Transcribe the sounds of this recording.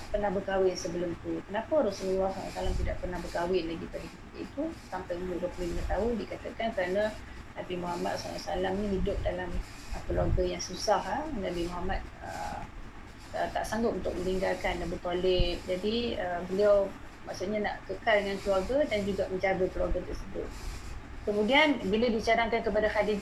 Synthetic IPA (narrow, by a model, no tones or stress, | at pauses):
pərnahbəkawɪnsəbəlʊmt̪ukənapəɾasululːahsala̰salaŋt̪idaʔpərnahbəkawɪnlaɡipadakəp̪ikaḭt̪usampajlubəpɪnbət̪aɦudikat̪əkankəɾana | nabimuɦama̰t̪̚so̰la̰salamnĩɦidʊp̚dalam | əkəluaɡəjaŋsusahanabimɔɦamat̪̚ə̰ | ət̪a̰ʔsaŋɡʊt̪̚unt̪ʊ̰k̚mə̃niŋɡalkanːabərt̪olɛt̪̚d͡ʒadiəbəliaw | maʔsuʔ̪̚ɲana̰ʔkəkaldəŋankəluarɡadand͡ʒuɡamə̃ɲd͡ʒaɡakəluaɡat̪ərsəbʊ̰t̪̚ | kəmudianbiladit͡ʃaɾaŋkankəpadahadi